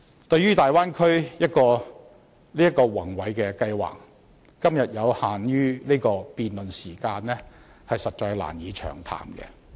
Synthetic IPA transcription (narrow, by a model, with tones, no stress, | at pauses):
t̪ɵ˧ɥyː˥t̪aː˨jwaː˥nkʰɵ˥ɥjɐ˥t̚kɔː˧ | liː˥jɐ˥tkɔː˧wɐ˨˩ŋwɐ˨˧jkɛ˧kɐ˧jwa̰ː˨˩kː | ɐ˥mjɐ˨t̚jɐ˨˧whaː˨njyː˥liː˥jkɔː˧piː˨nlɵ˨nsiː˨˩kaː˧nlɛ˥ | hɐ˨jsɐ˨t̚t͡ʃɔː˧jla̰ː˨˩njiː˨˧t͡ʃʰœ̰ː˨˩ŋt̪ʰa̰ː˨˩mkɛ̰˧